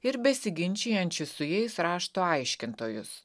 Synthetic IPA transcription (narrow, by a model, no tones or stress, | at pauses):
ɪɾbʲɛsʲɪɡʲɪnʲt͡ʃʲɛjɛnʲt͡ʃʲɪssʊjɛɪsɾɑːʃt̪oːɐɪʃʲkʲɪnt̪oːjʊ̰s